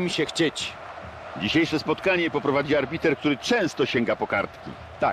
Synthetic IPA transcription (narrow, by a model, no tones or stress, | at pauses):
mʲiɕɛxt͡ɕet͡ɕ | d͡ʑiɕejʂɛspɔt̪kaɲɛpɔpɾɔvad͡ʑiaɾbʲit̪ɛɾk̚t̪uɾɘt͡ʂɛ̃w̃st̪ɔɕeŋɡapɔkaɾt̪kʲḭ | t̪a̰k̚